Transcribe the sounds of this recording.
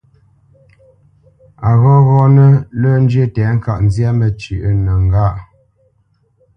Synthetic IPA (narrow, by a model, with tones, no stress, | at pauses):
a˨ɣɔ˦ɣɔ˦nə˦lə˦n˦d͡ʒɥə˦tɛ˨˦ŋ̩˦˨ka˦˨ʔn̩˦zja˦mə˨t͡ʃi˨ʔə˦nə˨ŋ˨ɡa˦˨ʔ